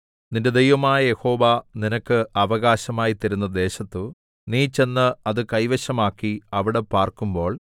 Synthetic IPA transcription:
ninde̞d̪ejʋɐmaːjɐje̞ho̞ːʋɐninɐkːɨʔɐʋɐɣaːɕɐmaːjit̪ːɐɾunːɐd̪e̞ːɕɐt̪ːɨ | niːt͡ɕe̞nːɨɐðɨkɐjʋɐɕɐmaːkːiɐʋiɽe̞paːrkumbo̞ːɭ

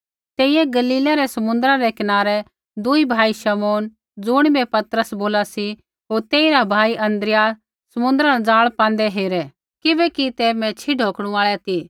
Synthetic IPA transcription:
t̪eːijɛɡɐliːlaɾɛsɐmʊ̃nd̪ɾaɾɛkɪnaːɾɛ | d̪ʊibʱaːiʃɐmoːn | d͡zʊɽ̃bɛpɐt̪əɾəsboːlasi | ɦoːɾt̪eːiɾabʱaːiʔɐ̃nd̪ɾɪja | sɐmʊ̃nd̪ɾad͡zaːɭpãːnd̪ɛɦeːɾɛ | kɪbɛkit̪ɛmɛ̃t͡ʃʰiɖʱoːkɽ̃ũaːɭɛt̪ʰi

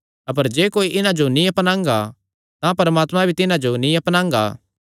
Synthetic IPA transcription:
ɐp̬əɾd͡ʒeːkoːiʔɪnãd͡ʒonĩɐpnãːŋɡa | t̪ãpɐɾɐmaːt̪mãbʱit̪ɪnãd͡ʒonĩɐpnãːŋ̆ɡa̰ː

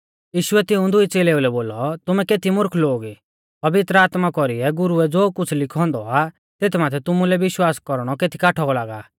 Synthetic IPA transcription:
jiːʃʊɛt̪ɪũd̪ʊit͡seːleːulɛboːlɔt̪ʊmɛkeːt̪ʰimʊɾkʰloːɡi | pɐʋɪt̪ɾəaːt̪makɔɾiɛɡʊɾuɛd͡zoːkʊt͡sʰlɪkʰɔ̃nd̪ɔa | t̪eːt̪ʰmaːt̪ʰɛt̪ʊmulɛʋɪʃwaːskɔɾɽ̃ɔkeːt̪ʰi̥kaːʈʰɔɡɔlaːɡa̰ː

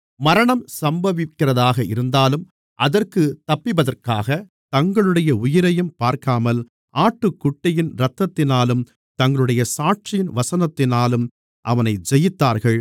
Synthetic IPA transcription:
mɐɾɐɳɐmsɐmbɐʋɪkːɪrɐðaːɣɐɪɾɯnd̪aːlɯm | ʔɐðɐrkɯt̪ɐpːɪbɐðɐrkaːɣɐ | t̪ɐŋɡɐɭɯɽɐjɐʊjɪɾɐjɯmpaːɾkaːmɐl | ʔaːʈːɯkːʊʈːɐjɪnɾɐt̪ːɐt̪ːɪnaːlɯm | t̪ɐŋɡɐɭɯɽɐjɐsaːʈ̚t͡ʃɪjɪnʋɐsɐnɐt̪ːɪnaːlɯm | ʔɐʋɐnɐɪd͡ʒɛjɪt̪ːaːɾɣɐɭ

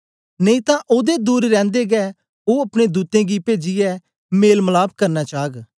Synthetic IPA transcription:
nə̃ĩt̪ãʔʊd̪ed̪uːɾɾɛ̃ːnd̪eɡɛː | oːɐpɽ̃ed̪uːt̪ẽːɡipeːd͡ʒɪjɛ | meːlməlaːbkɐɾnaːt͡ʃaːɡ

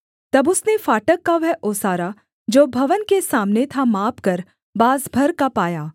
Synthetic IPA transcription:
t̪ɐbʊsnefaːʈəkːaʋɛʔoːsaːɾa | d͡ʒoːbʱɐʋənkesaːmnet̪ʰamaːpkɐɾ | baːzbʱɐɾkapaːjaː

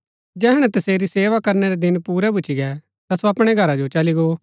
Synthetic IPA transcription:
d͡ʒɛːɦɽ̃ɛ̃t̪ɐseːɾiseːʋakɐɾnɛɾɛd̪ɪnpuːɾɛbʱʊt͡ʃʰiɡɛ | t̪asoɐpɽ̃eɡʱɐɾad͡ʒot͡ʃɐliɡo

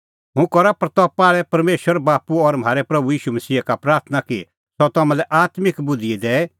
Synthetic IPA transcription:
ɦũkɔɾapɾɐt̪ɔːpaːɭɛpɐɾmeːʃwəɾbaːpuɔɾm̤aːɾepɾɐbujiːʃumɐsiːakapɾaːɾt̪ʰnaki | sɔt̪ɐmãlɛʔaːt̪mɪkbʊd̪ʱied̪ɛː

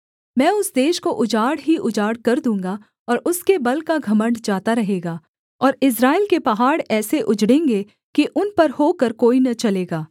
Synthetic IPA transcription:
mɛ̃ːʊsd̪eːʃkoʔʊd͡ʒaːɽɦiʔʊd͡ʒaːɽkɐɾd̪ũːŋɡa | ɔːɾʔʊskebɐlkaɡʱɐmə̃ɳɖd͡ʒaːt̪aɾɐɦeːɡaː | ɔːɾɪs̬ɾaːɪlkepɐɦaːɽɛːseʔʊd͡ʒɽẽːŋɡe | kiʔʊnpɐɾhoːkəɾkoːinɐt͡ʃɐleːɡaː

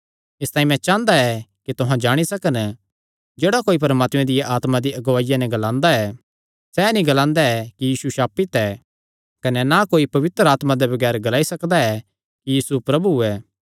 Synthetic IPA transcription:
ɪst̪ãːĩmɛ̃t͡ʃãːnd̪aɛkit̪ʊɦãd͡ʒaːɽ̃isɐkən | d͡ʒɛːɽakoːip̬ɐɾmaːt̪mɛ̃d̪ɪjeʔaːt̪mad̪iɐɡʋaːɪjanɛ̃ɡɐlãːnd̪aɛ | sɛnĩɡɐlãːnd̪aɛkijiːsuʃaːpit̪ɛ | kɐnɛnakoːipɐʋɪt̪ɾəaːt̪mad̪ɛbɐɡɛːɾɡɐlaːisɐkd̪aɛ | kijiːsupɾɐbuɛː

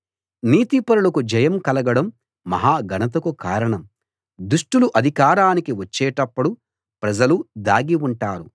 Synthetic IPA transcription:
niːt̪ipɐɾulɐkud͡ʒɐjɐmkɐlɐɡɐɽɐmː | ɐ̰ɦaːɡʱɐnɐt̪ɐkukaːɾɐɳɐm | d̪uʂʈuluʔɐd̪ʱikaːɾaːnikiʋɐt͡ʃːɛːʈɐpːɐɽu | pɾɐd͡ʒɐlud̪aːɡiuɳʈaːɾu

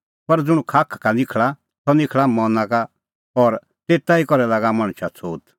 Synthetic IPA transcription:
pɐɾd͡zʊɽ̃ũkʰaːkʰkanɪkʰɭa | t̪ɔnɪkʰɭamɔnãka | ɔːɾ | t̪eːt̪aikɔɾɛlaɡamɐ̃ɽ̃t͡ʃʰat͡sʰoːt̪

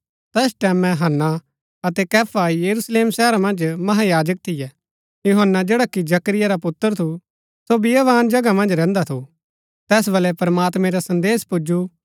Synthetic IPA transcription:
t̪ɛːsʈɛːmɛ̃ɦɐnːa | ɐt̪ɛkɛːpʰajɐɾusleːmsɛːɾamɐ̃nd͡ʒmɐɦajaːd͡ʒək̚t̪ʰɪjɛ | jʊɦənːad͡ʒeːɽakid͡ʒɐkɾɪjaɾapʊt̪ːəɾt̪ʰu | sobɪjaʋaːnd͡ʒɐɡamɐ̃nd͡ʒɾɛ̃ːnd̪at̪ʰu | t̪ɛːs̬bɐlɛpɾmaːt̪mɛ̃ɾasɐ̃nd̪eːspʊd͡ʒu

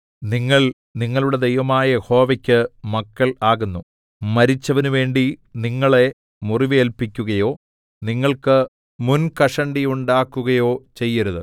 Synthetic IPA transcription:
niŋːɐɭ | niŋːɐɭuɽe̞d̪ejʋɐmaːjɐho̞ːʋɐkʲːɨmɐkːɐɭaːɣunːu | mɐɾit͡ɕːɐʋɐnuʋe̞ːɳɖiniŋːɐɭe̞ | muriʋeːlpikʲːuɣɐjo̞ː | niŋːɐɭkɨ | munkɐʂɐɳɖiuɳɖaːkːuɣɐjo̞ːt͡ɕe̞jːɐɾuðɨ

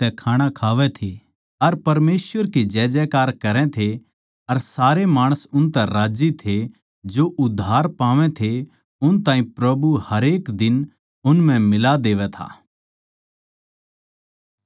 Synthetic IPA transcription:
t̪ɛkʰaːɽ̃ãkʰaːʋɛt̪ʰi | ɐɾpɐɾmeːsʋəɾkid͡ʒɛːd͡ʒɛːkaːɾkɐɾɛ̃t̪ʰe | ɐɾsaːɾemaːɽ̃əsʊnt̪ɛɾaːd͡ʒit̪ʰe | d͡ʒoʔʊd̪ʱːaːɾpaːʋɛ̃t̪ʰe | ʊnt̪ãːĩpɾɐbuhɐɾeːkd̪ɪn | ʊnm̤ɛ̃mɪlad̪eːʋɛt̪ʰa̰ː

